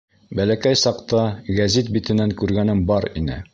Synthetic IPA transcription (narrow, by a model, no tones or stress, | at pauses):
bælækæjsɑqt̪ɑɡæzit̪̚bit̪ɘ̆næŋkʉɾɡænɘmbɒɾḭnɘ̰